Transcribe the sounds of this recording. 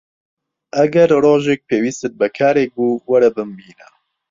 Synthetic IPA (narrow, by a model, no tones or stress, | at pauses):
ʔɐɡɛɾroːʒek̚pʰeːwiːst̪ɨt̪̚bɛkʰaːɾeːk̚buːwɐɾɛbɨmbiːna